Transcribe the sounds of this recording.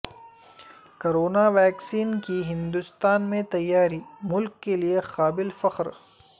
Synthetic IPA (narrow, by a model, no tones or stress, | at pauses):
koːɾoːnaʋɛːksiːnkiɦɪ̃nd̪ʊst̪aːnmẽt̪ɐjːaːɾimʊlkːeliexaːbɪlfɐqɾ